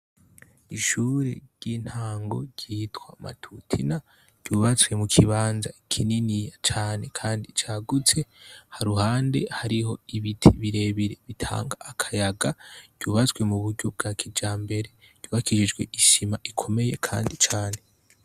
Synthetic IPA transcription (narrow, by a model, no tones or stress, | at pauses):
iʃuɾe̞̰ɾɟiːn̥haːŋɡo̞̰ɾɟiːtwama̰tʰutʰina | ɟ̥ɟuːβat͡swe̞mukʰiβaːnzaikʰininijat͡ʃaːne̞kʰaːndit͡ʃaːɡut͡se̞haɾuhaːnde̞̰haɾiho̞iβitʰiβiɾe̞βiɾe̞βitʰa̰ːŋɡaːkʰajaɡaɟ̥ɟ̥uːβat͡swe̞muβuɾɟob̚ɡakʰid͡ʒaːmbe̞ɾe̞ | ɟ̥uːβakiʒid͡ʒɡwe̞̰ʔiʃimaʔikʰo̞me̞jekʰa̰ːndit͡ʃaːne̞